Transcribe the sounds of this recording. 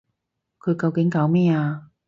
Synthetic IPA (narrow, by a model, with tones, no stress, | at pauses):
kʰɵ˨˧ɥkɐ˧wkɪ˨˥ŋkaː˨˥wmɛː˥aː˧